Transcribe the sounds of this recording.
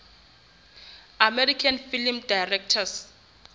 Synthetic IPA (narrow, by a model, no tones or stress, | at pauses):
amɛɾikʰanfilmdajrɛk̚tʰas